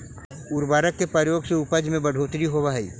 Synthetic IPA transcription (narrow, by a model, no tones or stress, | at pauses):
ʊɾbaːɾəkːepɾəjoːɡseʊpəd͡ʒmẽbəɽʱoːt̪ɾiɦobaɦḭː